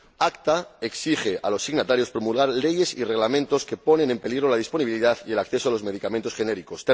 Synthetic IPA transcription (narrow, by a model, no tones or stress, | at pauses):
akt̪aeksixe̞ʔalo̞sːiɣnat̪aɾjo̞spɾo̞mulɣaɾle̞je̞sire̞ɣ̞lamẽnt̪o̞ske̞po̞ne̞ne̞mpe̞liɣɾo̞lað̞ispo̞niβiliðaθie̞lakθe̞soalo̞zme̞ð̞ikamẽnt̪o̞sxe̞ne̞ɾiko̞st̪e